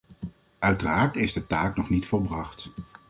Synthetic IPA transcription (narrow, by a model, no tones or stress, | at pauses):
ʔœɥtəraːɹtɪzdətaːknɔχnitfɔlˠbrɑχt